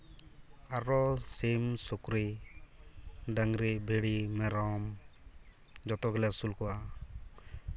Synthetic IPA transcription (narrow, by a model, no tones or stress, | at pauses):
aɾɔsemsokɾe | ɖaŋɾebʱeɽimɛɾɔm | d͡ʒɔt̪ɔɡɛlɛsulkɔwa